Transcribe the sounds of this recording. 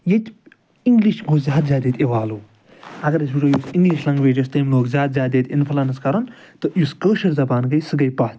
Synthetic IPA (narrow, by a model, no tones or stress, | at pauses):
jet̪ʰʲ | iŋɡliʃɡoːzʲaːd̪zʲaːd̪et̪ʲeʋaːluː | ɐɡɐɾɐs̬biʈoːjusiŋɡliʃlɐŋɡʋeːd͡ʒɐst̪ɐjmloːkzʲaːd̪zʲaːd̪et̪inpʰlɐnɐskɐɾɐn | t̪ɨjuskəːʃɐɾzɐbaːnɡɐjsɨɡɐjpa